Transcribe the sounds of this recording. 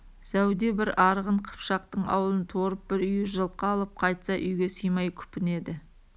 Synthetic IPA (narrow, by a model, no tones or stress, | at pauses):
sæwd̪e̞bɪɾɑɾʁəɴqʰə̥pʃɑq̚t̪əɴɑ̰wəlˠənt̪ʰo̞ɾəp̚bɪɾʏjɪʒəlˠqɑːlˠəp̚qʰɑjt̪sɑʔʏjɡʲe̞sijmɑjkʲʰʏ̥pɪne̞d̪ɪ